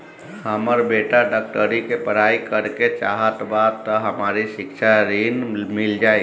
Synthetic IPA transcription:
həməɾbeʈaɖak̚ʈəɾikepəɾaːikəɾket͡ʃaːɦət̪badt̪ːəɦəmaːɾiʃɪkt͡ʃʰaɾinmɪld͡ʒaːi

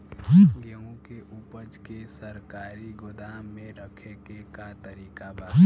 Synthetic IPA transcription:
ɡeõkeʔupəd͡ʒkesəɾkaːɾiɡʊd̪aːmːẽɾəkʰekekat̪əɾiːkaba

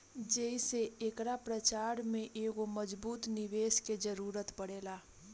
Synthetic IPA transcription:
d͡ʒɛiseeːkɾapɾət͡ʃaːɾmẽʔeːɡoməd͡ʒbuːt̪nɪʋeːsked͡ʒəɾuːɾət̪pəɽeːlaː

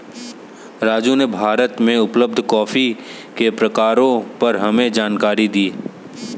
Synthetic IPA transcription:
ɾaːd͡ʒunebʱaːɾət̪mẽʊpləb̚d̪ʱkɔːfi | kepɾɐkaːɾõpɐɾɦɐmẽd͡ʒaːnkaːɾid̪iː

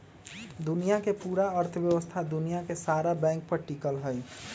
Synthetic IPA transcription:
d̪unijakepuɾaəɾt̪ʰəbjəbəst̪ʰad̪unijakesaɾabɛ̃ŋk̚pəʈikəlɦəj

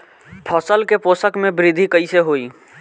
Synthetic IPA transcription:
pʰəsəlkeposəkmẽbɾid̪ʱikəiseɦoi

